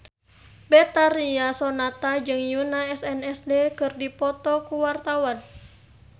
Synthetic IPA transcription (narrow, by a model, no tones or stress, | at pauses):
bɛt̪aɾiasɔnat̪ad͡ʒɨŋjunaɛsɛnɛsdekɨrdipɔt̪ɔkuwart̪awan